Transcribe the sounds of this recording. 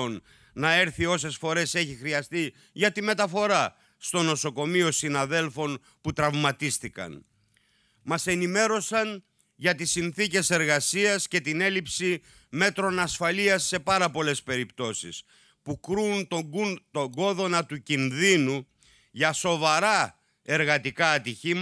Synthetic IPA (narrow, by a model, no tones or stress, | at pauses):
onː | ɐe̞ɾθio̞s̬e̞sfo̞ɾe̞se̞çixɾiɐst̪i | ʝɐt̪ime̞t̪ɐfo̞ɾɐ | st̪o̞no̞so̞ko̞mio̞sinɐðe̞lfo̞n | put̪ɾɐvmɐt̪ist̪ikɐ̰n | mɐse̞nime̞ɾo̞sɐn | ʝɐt̪isːinθice̞se̞ɾɣɐsiɐsce̞t̪ine̞lipsi | me̞t̪ɾo̞nɐsfɐliɐsːe̞pɐɾɐpo̞le̞spe̞ɾipt̪o̞sḭs | pukɾuːnt̪ot̪oɡo̞ðo̞nɐt̪ucinðinu | ʝɐso̞vɐɾɐ | e̞ɾɣɐt̪ikɐːt̪içim